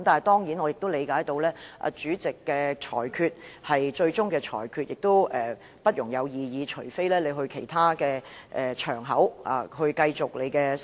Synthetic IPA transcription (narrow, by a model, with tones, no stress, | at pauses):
mt̪aː˨n˨˩jt̪ɔː˥ŋji˨˥nɔ˨˧jɪ˨k̚t̪o˥wle˨˧jkaː˨˥jt̪o˧wlɛː˥ʔa̰ː˨˧t͡ʃyː˨˥t͡sɪ˨˩kːɛː˧t͡ʃʰɔ̰ː˨˩jkʰyː˧t̚hɐ˨jt͡ʃɵ˧ɥt͡sʊ˥ŋkɛː˧t͡ʃʰɔ̰ː˨˩jkʰyː˧t̚jɪ˨k̚t̪o˥wɛː˨ | pɐ˥t̚jʊ˨˩ŋjɐ˨˧wjiː˨˧jiː˨˧t͡ʃʰɵ˨˩ɥfe˥jlɛː˥le˨˧jɦɵ˧ɥkʰe˨˩jt̪ʰaː˥kɛː˧ʔɛː˨t͡ʃʰœː˨˩ŋɦɐ˨˥wa̰ː˨hɵ˧ɥkɐ˧jt͡sʊ˨k̚le˨˧jkɛː˧